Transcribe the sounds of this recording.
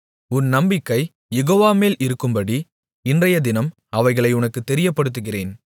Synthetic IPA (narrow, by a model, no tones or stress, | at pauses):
ʊnnɐmbɪkːɐɪ | jɛɣoːʋaːmeːlɪɾɯkːɯmbɐɽi | ɪndrɐjɐd̪ɪnɐm | ɐʋɐɪɣɐɭɐɪʊnɐkːɯt̪ːɛɾɪjɐpːɐɽɯt̪̬ːɯɣɪreːn